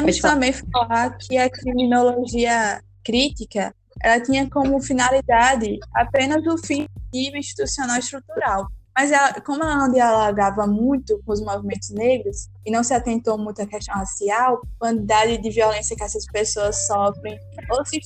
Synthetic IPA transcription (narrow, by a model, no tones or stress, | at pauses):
ɐ̃mĩst̪ɐ̃mbẽj̃flakʰɪɐkɾimĩnoloʒiɐ | kɾit̪ikɐ | ɛ̰lɐt̪ĩɲɐkõmʊfinalid̪ad̪ɪa̰pẽnɐzʊfĩdivĩʃt̪i̥t̪usiõnawɪst̪ɾut̪uɾawmɐzɛlɐkõmʊɛlɐnɐ̃w̃d̪ialɔɡavɐmũj̃t̪ʊkõʊzmovimẽnt̪ʊzneɡɾʊs | ɪnɐ̃w̃sɪat̪ẽnt̪owmũj̃t̪ʊɐkɛʃt̪ɐ̃w̃hasiawkɐ̃t̪id̪ad̪ɪd̪ɪviolẽsjɐkɪɛsɐspesoɐsːɔfɾẽj̃ | osi